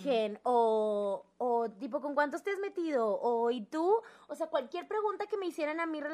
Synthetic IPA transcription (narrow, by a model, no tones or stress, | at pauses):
enoː | t̪ip̬o̞ko̞ŋkwant̪ost̪eezme̞t̪ið̞o̞ːit̪uose̞akwalkje̞ɾpɾe̞ɣunt̪ake̞me̞isje̞ɾanamire̞